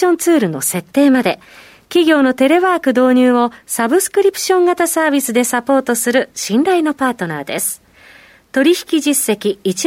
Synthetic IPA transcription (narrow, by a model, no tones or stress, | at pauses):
õ̞nt͡sɨːɾɯ̟no̞̰se̞t̪ːe̞ːmad̪e̞ | kʲiɡʲo̞ːno̞t̪e̞ɾe̞βaːkɯ̟d̪o̞ːɲ̟ɨːo̞sabɯ̟sɨ̥kɯ̟ɾʲipɯ̟̥ɕõ̞ŋɡat̪asaːbʲisɨd̪e̞sapo̞ːt̪o̞sɨɾɯ̟ɕĩnɾaino̞paːt̪o̞na̰ːd̪e̞̰sɨ̥ | t̪o̞ɾʲiçi̥kʲiʑisːe̞kʲiːt͡ɕi